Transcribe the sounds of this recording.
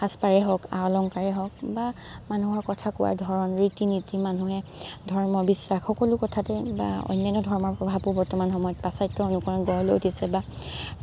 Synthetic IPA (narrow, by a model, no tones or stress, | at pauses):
haspaɹɛɦɔka̰ɔlɔŋkaɹɛɦɔk̚bamanuɦɔɹkɔtʰakʊwa̰ɹdʱɔɹɔnɹitinitimanuɦɛdʱɔɹmɔbisɹaxːɔkɔlʊkɔtʰatɛba̰ɔ̰jnːjɔnɔdʱɔɹmɔɹpɹɔbʱabʊbɔɹtɔmanxɔmɔjɔt̚pasajtːɔonukɔɹɔɡɔɔlojotʰisɛba